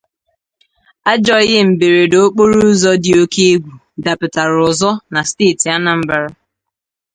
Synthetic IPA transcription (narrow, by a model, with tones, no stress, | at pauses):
a˦d͡ʒɔ˦ɣɪ˦m̩˨be˨ɾe˨do˦o˦k͡po˦ɾu˦zɔ˦dɪ˨o˦ke˦e˦ɡʷu˨ | da˨pɪ˨ta˨ɾʊ˨zɔ˦na˨steː˦˨ti˨a˦na˨m̩˦ba˨ɾa˦